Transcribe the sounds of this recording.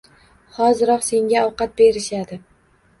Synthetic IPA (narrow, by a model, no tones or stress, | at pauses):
hɒzɪɾɒqse̞ŋɡʲaɒwqɑt̪̚be̞ɾɪʃad̪ɪ